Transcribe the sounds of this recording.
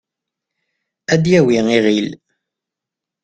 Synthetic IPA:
æd̪jæwiiʁil

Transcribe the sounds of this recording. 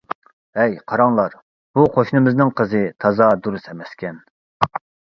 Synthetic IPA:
ɛjqʰɑɾɑŋlˠɑɾ | b̥uqʰoʃnɨmɪznɨŋqʰəzɨt̪ʰɑzɑd̪uɾusɛmɛskʲɛn

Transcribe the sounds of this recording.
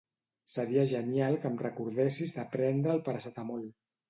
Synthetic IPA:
səɾiəʒənjalˠkəmrəkuɾðesizðəpɾɛnd̪ɾəːlˠpəɾəsat̪amol

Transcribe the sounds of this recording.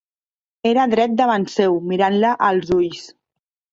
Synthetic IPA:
eɾaðɾɛt̪̚d̪əβansɛwmiɾanləʔəlˠzuʎs

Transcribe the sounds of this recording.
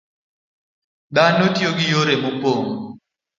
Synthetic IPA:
ɗanotjoɡɪjoɾemopoŋ

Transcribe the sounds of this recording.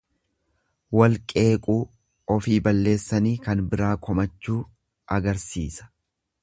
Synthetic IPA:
wɐlkʼe̞ːkʼuː | ɔfiːbɐlːe̞ːsːɐniːkɐnbɪɾaːkʰɔmɐt͡ʃːuː | ʔɐɡɐɾsḭːsɐ̥

